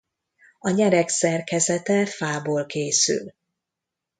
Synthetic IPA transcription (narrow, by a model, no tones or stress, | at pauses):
ɒɲɛɾɛksɛrkɛzɛt̪ɛfaːboːlkeːsy̰l